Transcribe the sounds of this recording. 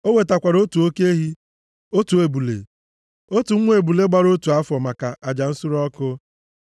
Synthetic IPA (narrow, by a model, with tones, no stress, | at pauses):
o˦we˨ta˨kʷa˨ɾo˦tu˨o˦ke˦ɦi˦ | o˦tu˨e˨bu˨lḛ˨ | o˦tu˨ŋ̩˦ŋʷ˦e˨bu˨le˦ɡ͡ba˨ɾo˦tu˨a˦fɔ˨ma˨ka˨ʔa˨d͡ʒa˨n̩˦sʊ˦ɾɔ˦kʊ˦